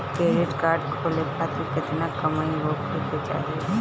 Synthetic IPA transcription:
keːɾɪʈkaːɾɖkʰoːlek̪ʰaːt̪ikɪt̪nakɐmaiɦoːkɾeːt̪et͡ʃa̰ːɦie

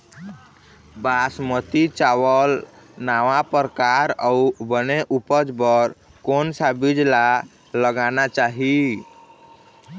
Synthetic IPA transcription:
basmət̪it͡ʃawəl | naʋapəɾkaɾaubəneʔupəd͡ʒbəɾ | konsabid͡ʒla | ləɡanat͡ʃaɦi

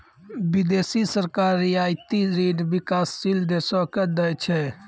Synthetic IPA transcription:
bid̪esisəɾkaɾiaɪt̪iɾeɖbikasːild̪esɔked̪ɛjt͡ʃʰɛ

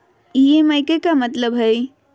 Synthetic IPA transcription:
iemajkekamət̪ləbɦəj

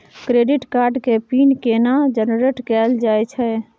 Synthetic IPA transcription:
kɾeɖɪʈkaːɾɖkepiːnkenad͡ʒənɾeʈkɛːld͡ʒaːɛt͡ʃʰɛ

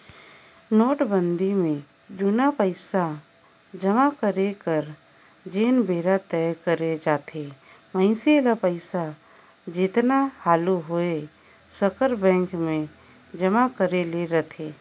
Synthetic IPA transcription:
noːʈbə̃nd̪ʱimẽ | d͡ʒʊnapəɪsa | d͡ʒəmakəɾekəɾ | d͡ʒeːnbʱeːɾat̪ɛkəɾed͡ʒaːt̪ʰe | mə̃ɪ̃sielapəɪsa | d͡ʒɪt̪nahaːluɦoe | səkəɾbɛ̃ːŋkmẽ | d͡ʒəmakəɾeleɾɐt̪ʰeː

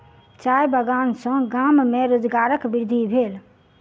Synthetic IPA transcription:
t͡ʃajbəɡansə̃ɡammeɾod͡ʒɡaɾəkbiɾd̪ʱibʱel

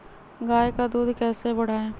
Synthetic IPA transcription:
ɡaːjkad̪uːd̪kɛːsebɐɽ̤aːẽː

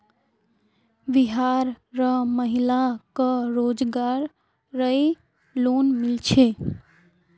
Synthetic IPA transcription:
ʋiɦaːɾ | ɾəməɦilakəɾoːd͡ʒɡaːɾː | əe | loːnmɪlt͡ʃʰe

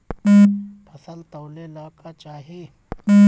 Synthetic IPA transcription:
pʰəsəlt̪ɔːlelaːkat͡ʃaːɦieː

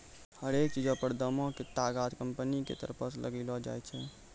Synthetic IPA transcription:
həɾek̚t͡ʃid͡ʒʱəpəɾd̪əmɔ̃ket̪aɡat̪kəmpənikḛt̪ə̰ɾpəslʔə̰ɡɛlɔd͡ʒa̰jt͡ʃʰɛ

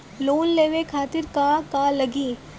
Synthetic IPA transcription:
loːnleːʋekʰaːt̪ɪɾkakalɐɡiː

